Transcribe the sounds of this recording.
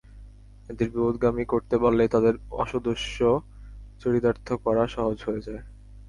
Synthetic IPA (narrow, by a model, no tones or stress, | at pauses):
ed̪eɾbibod̪ɡamikoɾt̪ebalːet̪ad̪eɾɔ̰ʃod̪oʃo | t͡ɕoɽit̪aɾt̪ʰokɔɾaʃɔɦod͡ʑɦoed͡ʑae